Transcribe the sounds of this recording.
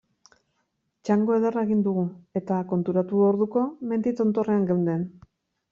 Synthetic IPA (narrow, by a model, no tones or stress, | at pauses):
t͡ʃaŋɡo̞e̞ðe̞rae̞ɣind̪uɣue̞t̪ako̞nt̪uɾat̪uoɾðuko̞me̞nd̪it͡s̪o̞nt̪o̞re̞aŋɡewnd̪e̞n